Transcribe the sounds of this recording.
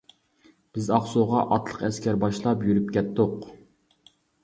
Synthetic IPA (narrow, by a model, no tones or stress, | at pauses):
b̥ɪzɑχsoʁɑʔɑt̪ʰlˠəqɛskʲʰɛɾbɑʃlˠɑpjyɾyp̚kʲɛt̪ːʊq